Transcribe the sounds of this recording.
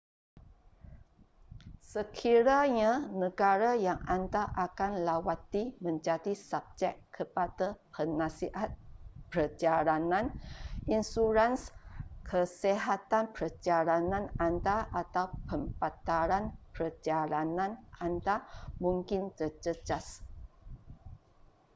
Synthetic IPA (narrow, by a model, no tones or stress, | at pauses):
səkʰiɾaɲanəɡaɾajaŋand̪aʔakanlawat̪imə̃ɲd͡ʒadisab̚d͡ʒɛkʰːəpadapʰənãsiʔat̪̚pəɾəd͡ʒaɾanãninsuɾanskʰəseɦat̪anpəd͡ʒaɾanãnand̪aʔat̪awpəmpat̪aɾanpɾəd͡ʒaɾanãnʔand̪amũŋkɪnt̪ərd͡ʒəd͡ʒas